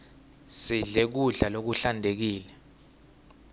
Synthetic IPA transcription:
siɮek̬uɮalok̬uɬandʱek̬iːlɛ

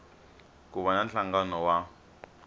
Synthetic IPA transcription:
kuβananɬaŋɡanɔwa

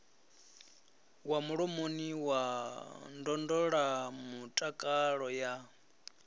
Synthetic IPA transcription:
wamuɺomoniwa | ndɔndɔɺamutʼakʼaɺɔja

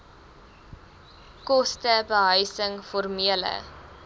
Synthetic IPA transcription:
kɔstəbəɦœɥsəŋfɔrmiələ̰

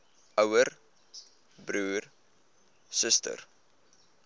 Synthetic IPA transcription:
œwər | bɾuːr | səstə̰r

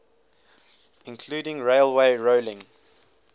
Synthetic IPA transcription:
ɪ̃nkʰl̥uːdɪ̃ŋɹeɪlˠweɪɹoʊlɪ̃ŋ

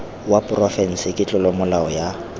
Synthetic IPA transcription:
wapʼrɔfɛn̩sɪkʼɪt͡ɬʼʊlɔmʊlaɔja

